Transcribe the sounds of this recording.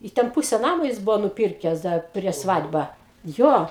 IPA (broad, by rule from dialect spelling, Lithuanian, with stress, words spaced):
ɪ ˈtʲɛn ˈpʊsʲɛ ˈnɑːmoː ˈjɪs ˈbʊʋoː nʊˈpʲiːrʲkʲɛs ˈdɐr pʲrʲiɛʃ ˈsʋɐtʲ bɐ ˈjoː